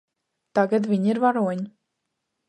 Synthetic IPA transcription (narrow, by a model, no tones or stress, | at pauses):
t̪aɡad̪vʲiɲiɾvaɾuɔɲi